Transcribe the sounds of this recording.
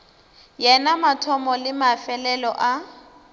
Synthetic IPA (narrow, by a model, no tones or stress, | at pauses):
jɛnamatʰɔmɔlɪmafɛlɛlɔʔa